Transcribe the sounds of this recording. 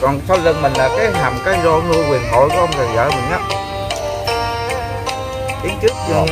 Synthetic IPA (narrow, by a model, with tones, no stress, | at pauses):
kɔ˨˩nsa˧wzə˨˩ŋmï˨˩ŋlaː˨˩kaː˨˦jɦaː˨˩mkaː˨˦jzɔ˧lu˧kwi˨˩ənɦo̰˧˨jkɔ˧˦ʔə˧wŋ͡mzəː˨˩jzaː˧˩mï˨˩ŋ̟ʔa˧˦ | t̪i˨˦ənt͡ɕɨ˦˥ək̚